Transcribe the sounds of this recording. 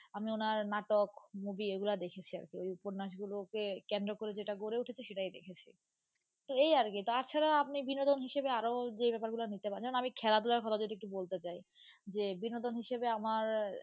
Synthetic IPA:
amionaɾnaʈokmobieɡulad̪ekʰet͡ɕʰia̰ɾkeojupoɾnaʃ̬ɡulokekend̪ɾokoɾed͡ʑeʈaɡoɾeuʈʰet͡ɕʰeʃeʈajd̪ḛkʰet͡ɕʰḭ | t̪oejaɾɡet̪oaɾt͡ɕʰaɾaap̚nibinod̪onɦiʃebeaɾod͡ʑebɛpaɾɡulanit̪epad͡ʑamonamikʰɛlad̪ulaɾkʰɔt̪ʰad͡ʑod̪ek̚ʈubolt̪et͡ɕaj | d͡ʑebinod̪onɦiʃebeamaɾ

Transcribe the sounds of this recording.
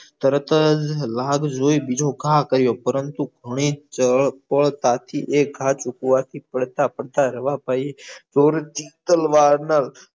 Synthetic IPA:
t̪əɾət̪əd͡ʒlaːɡd͡ʒoːibɪd͡ʒʱoɡʱaːkəɾɪjoːpəɾənt̪uɡʱəɽ̃iːt͡ʃəpəɭt̪at̪ʰiʔeːkɡʱaːt͡ʃʊkuʋat̪ʰipəɽt̪apəɽt̪aɾəʋapaːiezoːɾt͡ʃiːt̪əlʋaːɾnal

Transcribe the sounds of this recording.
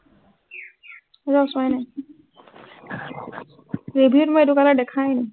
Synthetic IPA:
zaswajnaj | ɹebʱitmɔjetukaladɛkʰajnɛ

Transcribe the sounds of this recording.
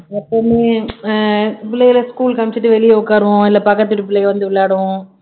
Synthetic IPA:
ɛpːoːmeː | pɪɭːɐjɪlɐskuːlkɐmt͡ʃɯʈːɯʋɛɭɪjɐʊkːaːɾɯʋõɪlːɐpɐkːɐt̪̬ːɯʈːɯpɪɭːɐjʋɐnd̪ɯʋɪɭːaːɽɯʋʊ̃

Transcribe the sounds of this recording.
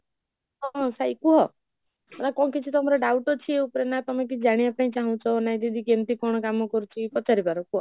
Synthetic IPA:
ɔsajkuɦɔ | nakɔ̃kit͡ʃʰit̪ɔmɔɾɔɖawʈɔt͡ʃʰieupɔɾenat̪ɔmek̬id͡ʒaɽ̃iapaĩt͡ʃaɦũt͡ʃʰɔnaj̃d̪id̪ʱikemt̪ikɔɽ̃ɔkamɔkɔɾut͡ʃʰikɔt͡ʃaɾibaɾɔkuɦɔ

